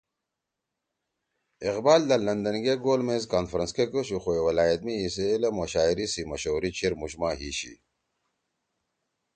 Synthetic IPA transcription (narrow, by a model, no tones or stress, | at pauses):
iqbaːld̪ɐlːɐnd̪ɐnɡeɡoːlmezkaːnfɾɐnskekoɕuxoewɐlaːjɐt̪miːseːlɐmɐɕaːiɾisimɐɕoːɾit͡ɕʰiɾmuɕmaːɦiɕḭ